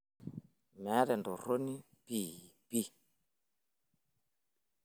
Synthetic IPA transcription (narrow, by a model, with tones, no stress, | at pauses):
mɛ˨˦ɾɛ˨ndɔ˨ɾo˦ni˦ | piː˦˨pi˦˨